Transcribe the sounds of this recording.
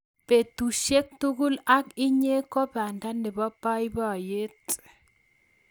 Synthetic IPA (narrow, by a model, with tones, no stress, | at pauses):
pe˨tu˨ʃe˦k̚tu˦ɡʊ˦la˦kɪ˦ɲe˦kɔ˦pa˨nda˦nɪ˨bɔ˦pa˦i˦ba˦˨je˦t